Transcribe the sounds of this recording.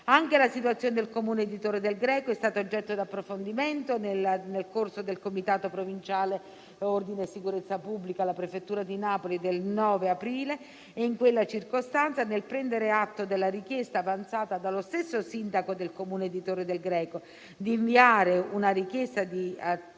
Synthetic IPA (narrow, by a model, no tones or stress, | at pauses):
aŋkelasit̪wat̪sːjoːned̪elkomuːneed̪it̪oːɾed̪elɡɾɛːkoɛst̪aːt̪ood͡ʒːɛt̪ːod̪apːɾofond̪iment̪onelnelkorsod̪elkomit̪aːt̪opɾovint͡ʃaːle | ord̪inesikuɾet̪sːapubːlikalapɾefet̪ːuːɾad̪inaːpolid̪elnɔːveapɾiːle | eiŋkwelːat͡ʃirkost̪ant̪sanelpɾɛnd̪eɾeat̪ːod̪elːaɾik̟jest̪aːvant̪saːt̪ad̪alost̪esːosind̪akod̪elkomuːneed̪it̪oːɾed̪elɡɾɛːko | d̪iːɱviaːɾeunaɾikjest̪ad̪i